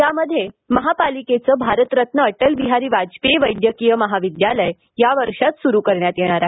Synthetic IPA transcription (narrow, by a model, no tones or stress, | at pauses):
jaməd̪ʱːje | məɦapaliket͡səbʱaɾət̪ɾət̪nəːʈəlʋiɦaɾiːʋad͡zpeʋəjd̪jəkijəməɦaʋid̪jaləj | jaʋəɾʂat̪suɾuːkəɾɳjat̪jeɽ̃aɾaɦe